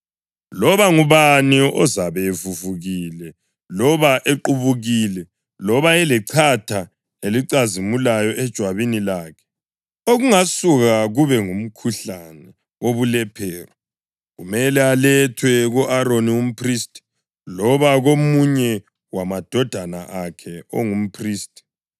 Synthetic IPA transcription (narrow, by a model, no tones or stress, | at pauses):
lɔβaŋuβaniɔzaβɛvuvuɣilɛ | lɔβaʔeǃuβuɣilɛ | lɔβaɛlɛǀʰatʰa | eliǀazimulajɔʔɛd̥ʒ̥ʱwaβinilaːkʰɛ̥ | oɣuŋasuɣaɣuβɛŋum̩kʰuɬanɛ | oβulɛpʰɛːrɔ | ɣumɛlɛalɛtʰwɛɣɔʔaɾonium̩pʰristʼi̥ | lɔβaɣomuɲɛ | wamad̥ʱɔd̥ʱana̰ʔakʰɛo̰ŋum̩pʰriːstʼi̥